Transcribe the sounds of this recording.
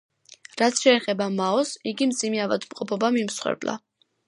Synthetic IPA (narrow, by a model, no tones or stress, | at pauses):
ɾat̪sʰʃɛːχɛbamaɔsiɡimd̪z̥imɛava̰d̪mqʼɔpʰɔbamimsχwɛ̰ɾbla̰